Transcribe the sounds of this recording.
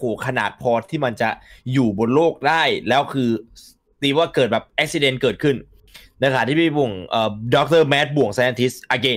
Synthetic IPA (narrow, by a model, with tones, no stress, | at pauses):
hoː˨˩˦kʰa˧na̰ː˨˩t̪̚pʰɔː˧t̪ʰiː˥˩ma˧nt͡ɕa˨˩juː˨˩bo˧nloː˥˩k̚daː˥˩jlɛː˦˥wkʰɯː˧ | t̪iː˧˩waː˥˩kɤː˨˩t̪̚bɛː˨˩p̚ʔɛ˦˥k̚si˧de˧nkɤː˨˩t̪̚kʰɯ˥˩n | na˧kʰaː˨˩t̪ʰiː˥˩pi˧˩bu˨˩əŋʔəː˨˩dɔː˦˥k̚t̪ɤː˥˩mɛː˦˥t̪̚bu˨˩əŋsa˧ʔa˧t̪ʰi˦˥sʔa˧keː˦˧˩n